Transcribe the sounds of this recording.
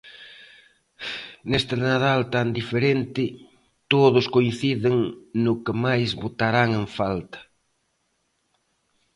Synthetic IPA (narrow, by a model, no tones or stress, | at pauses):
nest̪ɪnaðalt̪and̪ifeɾent̪ɪ | t̪oðʊskoinθiðɪŋnʊkɪmajzβot̪aɾaŋeɱfalt̪ɐ̥